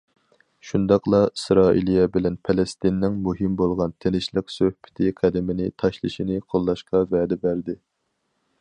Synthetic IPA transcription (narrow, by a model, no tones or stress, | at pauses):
ʃund̪ɑqlˠɑisɾɑːʔḭlijɛbɪlɛnpʰɛlɛst̪ɪnːɪŋmuɦɪmbolˠʁɑnt̪ʰenɪʃlˠɪksøhpɪ̥t̪ʰɪqʰæd̪ɪmɪnɪt̪ʰɑʃlˠɨʃinɪqʰolˠːɑʃqɑvɛːd̪ɛbæɾd̪ɪ